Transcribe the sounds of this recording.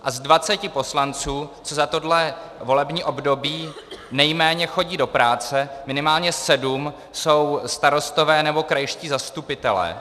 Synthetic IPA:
ʔazdvat͡sɛcɪpo̞slant͡suːt͡sozat̪o̞dlɛ | vo̞lɛbɲiːʔo̞bdo̞biː | nɛjmɛːɲɛxo̞ɟiːdo̞pɾaːt͡sɛmɪnɪmaːlɲɛsɛdum | so̞wst̪aɾo̞st̪o̞vɛːnɛbo̞kɾajʃciːzast̪upɪt̪ɛlɛ̰ː

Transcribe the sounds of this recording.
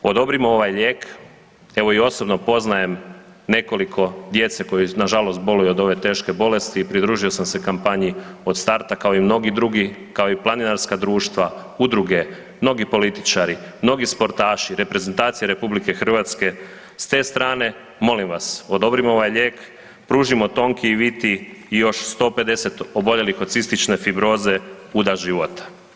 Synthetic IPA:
o̞d̪o̞bɾimoo̞ʋajʎeːk | e̞ʋo̞io̞so̞bno̞po̞znaje̞m | ne̞ko̞likʰo̞d̪je̞t̪seko̞jinaʒalost̪̚bo̞lujuod̪o̞ʋe̞t̪e̞ːʃke̞bo̞le̞st̪iːpɾid̪ɾuːʒio̞samse̞kampaɲio̞d̪st̪aɾt̪akao̞imno̞ɡid̪ɾuɡikao̞iplˠaninaɾskad̪ɾuːʃt̪ʋa | ud̪ɾuɡe̞ | mno̞ɡipo̞lit̪i̥t͡ʃaɾimno̞ɡispo̞ɾt̪aːʃiɾe̞pɾe̞zent̪aːt̪sijeɾe̞publike̞xr̩ʋat̪ske̞ | st̪e̞ːst̪ɾaːne̞ | mo̞limʋaso̞d̪o̞bɾimo̞ʋajʎe̞ːk | pɾuʒimo̞t̪o̞ŋkiiʋit̪iːjo̞ʃst̪o̞ːpe̞d̪e̞se̞t̪o̞bo̞ʎe̞lixo̞d̪sist̪it͡ʃne̞fibɾo̞ːze̞ | ud̪aʒiʋot̪ḁ

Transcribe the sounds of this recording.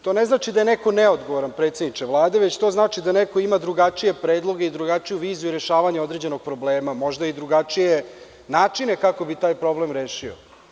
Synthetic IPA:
t̪o̞neznaːt͡ʃid̪ajeneko̞neod̪ɡoʋoɾanpɾet̪sed̪nit͡ʂ̪e̞ʋlˠaːd̪eʋet͡ɕt̪o̞ːznaːt͡ʃid̪anekoimad̪ɾuɡat͡ʂije̞pɾeːd̪lˠo̞ɡeid̪ɾuɡat͡ʃijuʋiːzuiɾe̞ʃaːʋaɲeo̞d̪ɾed͡ʑe̞no̞ɡ̥̚pɾo̞bleːmamo̞ʒd̪aid̪ɾuɡat͡ʂije | naːt͡ʂine̞kako̞bit̪aːjpɾo̞blemɾeːʃio̰

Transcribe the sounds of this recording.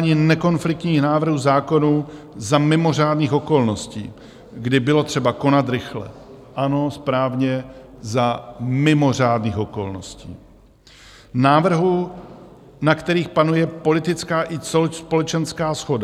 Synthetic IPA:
ɲɪnɛko̞nflɪk̚t̪ɲiːxnaːvr̩ɦuːzaːko̞nuː | zamɪmo̞r̝aːdniːxo̞ko̞lno̞scḭː | ɡdɪbɪlo̞t̪r̝̥ɛbako̞nat̪ɾɪxlɛ̰ʔano̞spɾaːvɲɛzamɪmo̞r̝aːdniːxo̞ko̞̰lno̞̰scḭː | naːvr̩ɦu | nakt̪ɛɾiːxpanujɛpo̞lɪt̪ɪt͡skaːʔɪsspo̞lɛt͡ʃɛnskaːsxo̞da

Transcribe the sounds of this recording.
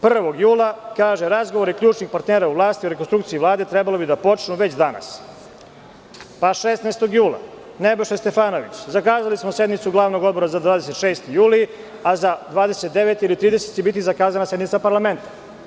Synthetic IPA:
pr̩ʋo̞ɡjuːlˠakaːʒeɾazɡoʋoɾikʎʲuːt͡ʃnixpaɾt̪neːɾauʋlˠaːst̪ioɾekonst̪ɾukt̪siiʋvlˠaːd̪e̞t̪ɾɛbalˠobid̪apo̞t͡ʃnuʋe̞t͡ɕd̪ana̰s | paʃesnaest̪o̞ɡjuːlˠa̰ | nebeʃest̪e̞faːno̞ʋḭt͡ɕzakaːzalismosjed̪mit̪suɡlˠaːʋno̞ɡod̪bo̞ɾazad̪vaːd̪e̞se̞t̪ʃeːst̪ijuːli | azad̪ʋaːd̪eset̪̚d̪eʋet̪iilit̪ɾiːd̪eset̪t͡ɕebit̪̬izakaːzanase̞d̪nit̪sapaɾlˠame̞nt̪ḁ

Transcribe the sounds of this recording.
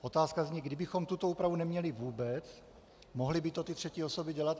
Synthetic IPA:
ʔo̞t̪aːskazɲɛɡdɪbɪxomt̪ut̪ouːpɾavunɛmɲɛlɪvuːbɛt͡s | moɦlɪbɪt̪ot̪ɪt̪r̥ɛciosobɪɟɛlat̪

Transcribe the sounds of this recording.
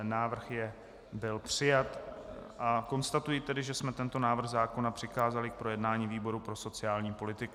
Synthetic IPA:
naːvr̩xjɛ | bɪlpr̝̥ɪjat̪ʔako̞nst̪at̪ujɪt̪ɛdɪʒɛsmɛt̪ɛnt̪o̞naːvr̩ɣzaːko̞napr̝̥ɪxaːzalɪk̚pɾo̞jɛdnaːɲiːviːbo̞ɾupɾo̞so̞t͡sɪaːlɲiːpo̞lɪt̪ɪk

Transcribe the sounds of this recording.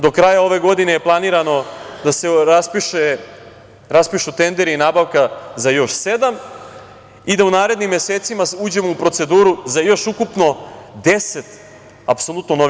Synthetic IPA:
d̪o̞kɾajao̞ʋe̞ɡo̞d̪inejeplˠaniːɾano̞d̪ase̞ɾaspiʃe | ɾaspiʃut̪e̞nd̪e̞ɾiinaːbaʋkazajo̞ʃse̞d̪am | id̪aunaːɾe̞d̪nimːje̞seːt̪simauːd͡ʑe̞moupɾo̞t̪se̞d̪uːɾuzajo̞ʃukupno̞d̪e̞se̞t̪ | apso̞lˠut̪no̞no

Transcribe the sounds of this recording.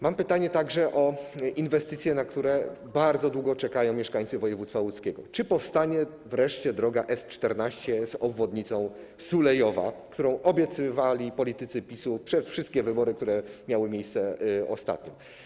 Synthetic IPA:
mampɘt̪aɲɛt̪aɡʐɛʔɔʔinvɛst̪ɘt̪sʲjɛnakt̪uɾɛ | baɾd̪zɔd̪wuɡɔt͡ʂɛkajɔ̃w̃mʲjɛʂkaɲ̃t̪sɘvɔjɛvut̪st̪falut̪skʲɛɡɔ̰t͡ʂɘpɔfst̪aɲɛ | vɾɛʂt͡ɕɛd̪ɾɔɡaʔɛst͡ʂt̪ɛɾnaɕt͡ɕɛzɔbvɔd̪ɲit̪sɔ̃w̃ | sulɛjɔva̰kt̪uɾɔ̃w̃ʔɔbʲjɛt̪sɘvalʲipɔlʲit̪ɘt̪sɘpʲisupʂɛsfʂɘst̪̚kʲɛvɘbɔɾɘkt̪uɾɛmʲjawɘmʲjejst̪sɛɔ̰st̪a̰t̪ɲɔ̰

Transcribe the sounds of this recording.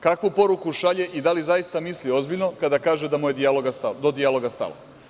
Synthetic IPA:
kakʋupo̞ɾukuʃaʎeʔid̪alizajist̪amislio̞zbiʎno̞kad̪akaːʒed̪amujed̪ialoɡast̪ad̪od̪ijalˠo̞ɡast̪a̰lo̰

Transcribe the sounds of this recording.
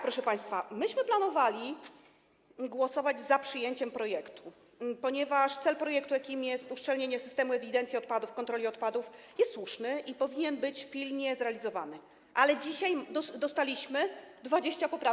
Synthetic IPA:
pɾɔʂɛpaj̃st̪famɘɕmɘplanɔvalʲi | ɡwɔsɔvad͡ʑzapʂɘjeɲt͡ɕɛmpɾɔjɛkt̪u | pɔɲɛvaʂt̪sɛlpɾɔjɛkt̪ujakʲimjɛst̪uʂt͡ʂɛlɲeɲɛsɘ̥st̪ɛmuɛvʲid̪ɛnt̪sjiɔt̪̚pad̪ufkɔnt̪ɾɔlʲiɔt̪pad̪ufjɛst̪swuʂnɘʔipɔvʲiɲɛnbɘt͡ɕpʲilɲɛzɾɛalʲizɔva̰nɘ | ʔalɛd͡ʑiɕaj̪d̪ɔst̪alʲiɕmɘd̪vad͡ʑeɕt͡ɕapɔpɾa

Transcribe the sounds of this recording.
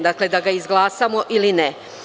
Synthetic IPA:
d̪akle̞d̪aɡaizɡlˠaːsamo̞ʔiline

